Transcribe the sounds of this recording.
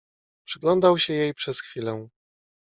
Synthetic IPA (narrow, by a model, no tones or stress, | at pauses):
pʂɘɡlɔnd̪awɕɛjejpʂɛsxfʲilɛ